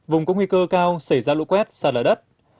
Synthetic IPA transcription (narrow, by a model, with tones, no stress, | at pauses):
vʊ˨˩ŋ͡mkɔ̰˨˧˦ŋwi˧kəː˧kaː˧wsa˧˩jzaː˧lṵ˧˥kwɛ˦˥t̚saː˨˩laː˨˩ɗə˦˥t̚